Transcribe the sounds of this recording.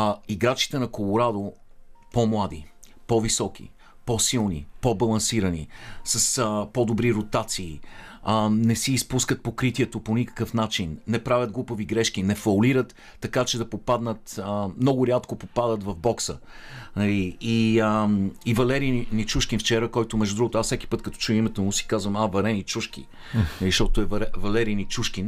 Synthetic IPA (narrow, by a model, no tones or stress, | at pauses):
iɡɾat͡ʃi̥t̪ɛnɐkolˠoɾad̪o | pɔmlˠad̪ḭ | pɔvisɔk̟ḭ | pɔsilˠnḭpɔbɐlˠɐnsiɾənḭsɐsəpɔd̪obɾiɾot̪at̪siː | nɛsiːspuskət̪̚pokɾit̪iɛt̪oponikə̥kəfnat͡ʃinːɛpɾavʲəd̪ɡlˠupəviɡɾɛʃk̟inɛfɐʊliɾət̪ː | ɐkat͡ʃɛd̪ɐpopad̪nət̪əmnɔɡʊɾʲat̪kopopad̪ət̪vɐvbɔksə̰nɐliːəːvɐlɛɾinit͡ʃuʃkʲinft͡ʃɛɾəkɔjt̪omɛʒd̪ʊd̪ɾuɡot̪ʊassɛk̟ʲi̥pɤt̪kɐt̪ɔ̥t͡ʃujəimɛt̪omʊsi̥kazvəmavɐɾɛnit͡ʃuʃkʲḭ | nɐliʃt̪ɔt̪oɛvɐɾɛvɐlɛɾijnit͡ʃuʃkʲin